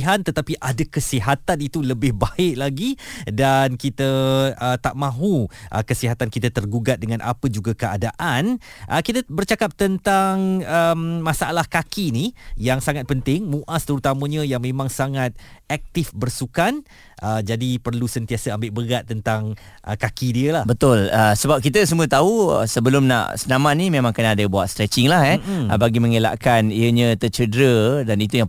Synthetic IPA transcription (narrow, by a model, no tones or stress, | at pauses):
ɦant̪ət̪apiʔadakəsiɦat̪anit̪uləbɪhbaɪʔ̚laɡidankit̪əət̪aʔmãɦuʔə̰kəsiɦat̪ankit̪at̪ərɡuɡat̪̚dəŋãnʔa̰pəd͡ʒuɡakəa̰daʔanʔəkit̪əbərt͡ʃakap̚t̪ənt̪aŋəmmãsaʔalahkakinijaŋsaŋat̪̚pənt̪ɪŋmuʔast̪əɾut̪amə̃ɲãjaŋmẽmãŋsaŋat̪̚ɛk̚t̪ɪfbərsukan | ʔəd͡ʒadipərlusənt̪iasəambɪʔbəɡat̪ːənt̪aŋ | ʔəkakidiəlahbət̪ʊləsəbap̚kit̪əsəmuət̪auə̰səbəlʊmna̰ʔsənamanĩmemãŋkənaadəbua̰t̪st̪ɾɛt͡ʃɪŋlahɛəbaɡimə̃ŋela̰ʔkaniəɲə̃t̪ət͡ʃədɾədanit̪uja